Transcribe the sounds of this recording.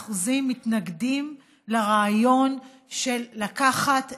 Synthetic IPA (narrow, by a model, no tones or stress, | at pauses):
χuzimːitnaɡdim | laʁaːjo̞n | ʃelːakaχat